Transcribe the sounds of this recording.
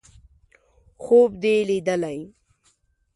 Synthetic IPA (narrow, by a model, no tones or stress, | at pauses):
xoːbd̪elid̪əlaj